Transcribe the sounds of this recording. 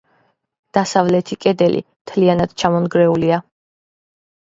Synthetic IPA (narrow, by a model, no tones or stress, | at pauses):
d̪̥asavlɛt̪ʰikʼɛd̪ɛlḭmt̪ʰlianad̪̥t͡ʃʰamɔnɡɾɛulia